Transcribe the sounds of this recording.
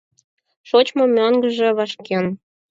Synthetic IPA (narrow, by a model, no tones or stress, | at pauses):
ʃot͡ɕmomʲøŋɡəʒĕβɑʃken